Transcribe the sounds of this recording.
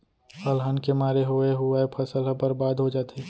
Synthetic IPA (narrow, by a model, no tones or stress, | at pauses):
əlɦənkemaːɾeɦoeɦʊaepʰəsəlbəɾbaːd̪ʱɦod͡ʒaːt̪ʰeː